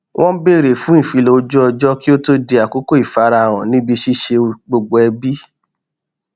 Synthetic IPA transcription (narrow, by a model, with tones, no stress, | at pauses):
wʔɔ̃˦be˦˨ɾe˨fũ˨˦ĩ˦˨fi˧lo˧˦d͡ʒɔ˦ɔ˧d͡ʒɔ˦ki˦o˦to˦de˧a˨ko˦ko˦i˨fa˧˦ɾa˧˨w̃ɔ̃˨nĩ˦bi˧ʃi˦ʃe˧ɡ͡bo˧ɡ͡bo˧ɛ˧bi˦